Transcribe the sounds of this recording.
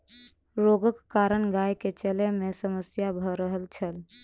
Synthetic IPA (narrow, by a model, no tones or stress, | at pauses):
ɾoɡəkːaɾənɡajket͡ʃelemesəməsjabʱəɾəɦəlt͡ʃʰəl